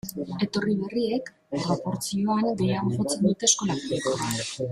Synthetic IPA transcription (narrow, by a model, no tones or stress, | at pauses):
e̞t̪o̞riβe̞rie̞k | ropo̞ɾt͡sio̞aŋɡe̞jaβʝo̞t͡se̞nd̪ut̪e̞sko̞lakɾiko